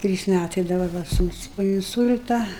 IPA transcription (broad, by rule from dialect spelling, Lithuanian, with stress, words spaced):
ˈtʲrʲiːs ˈmʲætɐɪ dɐbɐr ˈʋɐ ˈsuːnʊs poː ɪnˈsʊlʲtɐ